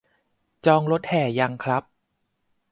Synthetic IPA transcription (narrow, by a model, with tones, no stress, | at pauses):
t͡ɕɔː˧ŋɾo˦˥t̪̚hɛː˨˩ja˧ŋkʰɾa˦˥p̚